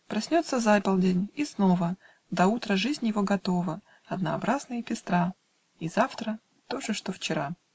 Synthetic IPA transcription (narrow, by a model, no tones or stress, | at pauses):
pɾɐsʲnʲo̞t̪səzapɐlˠdʲenʲisno̞və | d̪ɐut̪ɾəʐɨzʲnʲjɪvo̞ɡɐt̪o̞və | ɐd̪nəɐbɾʔaznɨjəpʲɪst̪ɾa | izaft̪ɾə | t̪o̞ʐɨʂt̪oft͡ɕɪɾa